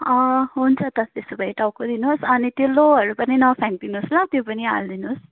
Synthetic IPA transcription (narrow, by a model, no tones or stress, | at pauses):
ʌ̃ɦunt͡sʰʌt̪ʌt̪est̪ubʌjʈawkod̪inusʌnit̪joloɦʌɾupʌninʌpʰaŋ̚d̪inuslat̪jopʌnia̰ld̪inus